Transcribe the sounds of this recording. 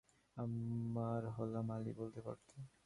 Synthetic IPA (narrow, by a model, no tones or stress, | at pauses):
amːaɾɦɔlamalḭbolt̪epa̰ɾt̪ʰe